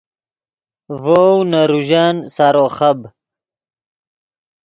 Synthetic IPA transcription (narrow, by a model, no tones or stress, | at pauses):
vownaɾuʑaːnsaɾoːχɐb